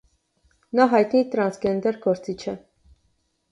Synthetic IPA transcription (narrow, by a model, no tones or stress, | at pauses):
nɑɦɑjt̪nit̪ɾɑnsɡɛnd̪ɛɾɡɔɾt͡sit͡ʃʰə